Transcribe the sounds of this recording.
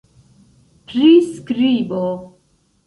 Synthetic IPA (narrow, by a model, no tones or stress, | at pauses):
pʰɾiskɾiːbo